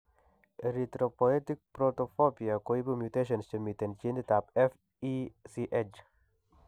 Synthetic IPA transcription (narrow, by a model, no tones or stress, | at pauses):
ɾit̪ɾopoet̪ik̚pɾot̪ofopiakoibumjut̪eʃ̬ɐnst͡ʃəmit̪ent͡ʃĩnd̪it̪aːpef | isiʔed͡ʒ